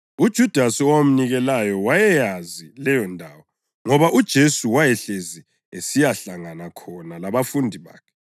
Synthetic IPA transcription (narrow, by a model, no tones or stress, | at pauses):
ud̥ʒ̥ʱud̥ʱasiɔwam̩niɣɛlajɔwajɛjazilɛjɔndʱaːwɔ | ŋɔβaʔud̥ʒ̥ʱesuwajɛɬezi | esijaɬaŋanakʰɔnalaβafundʱiβa̰ːkʰɛ̥